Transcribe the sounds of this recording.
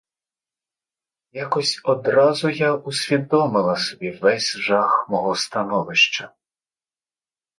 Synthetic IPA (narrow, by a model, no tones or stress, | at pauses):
jakɔsʲɔd̪ɾɑzʊjausʲʋʲid̪ɔmɪlˠɐsɔbʲiʋɛsʲʒɑxmɔɦɔst̪ɐnɔʋɪʃt͡ʃɐ